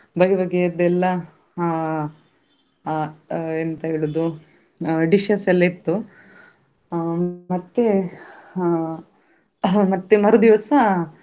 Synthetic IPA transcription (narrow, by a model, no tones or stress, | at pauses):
bɐɡebɐɡed̪ɛlːɐ | ent̪ɐɦeɭud̪u | ɖiʃɐsɛlːɐit̪ːu | mɐt̪ːe | mɐt̪ːemɐɾud̪iʋɐsɐ